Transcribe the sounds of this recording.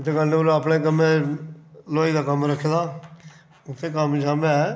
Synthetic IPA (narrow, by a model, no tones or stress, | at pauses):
t̪ʰːeːkəneɾəpɳẽːkəmẽ | loːiːd̪aːkəmɾəkʰːed̪aː | ʊt̪ʰːẽːkəmd͡ʒaːma